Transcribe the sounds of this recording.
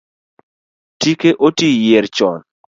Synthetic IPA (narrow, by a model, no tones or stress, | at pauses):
tikeʔotijeɾt͡ʃɔn